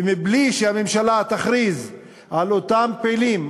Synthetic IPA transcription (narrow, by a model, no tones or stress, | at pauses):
mibliʃeamemʃalat̪aχʁiz | alot̪ampeːlim